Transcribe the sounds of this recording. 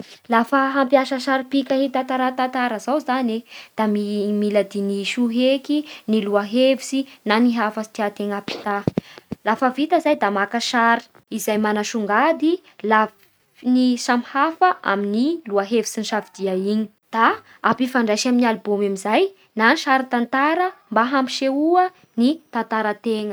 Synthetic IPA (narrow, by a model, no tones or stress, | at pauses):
lafəɦampjaʃəʃaɾipikʲaɦit̪at̪aɾat̪at̪aɾəzawzaned̪̥amimilad̪iniʃuɦekiniluaɦevisinaniɦafəsi̥t̪iat̪eŋapi̥t̪alafəvit̪əzajd̪amakəʃaɾi̥ | izajmanaʃuŋɡad̪i | la | nisamhafəʔa̰miniluaɦevisiniʃavid̪̥iaiɲi̥ | d̪̥a | apifaɳɖ͡ʐaʃaminialibomamizaj | nanʃaɾit̪ant̪aɾəmbaɦampi̥ʃeuə | nit̪ant̪aɾət̪eŋə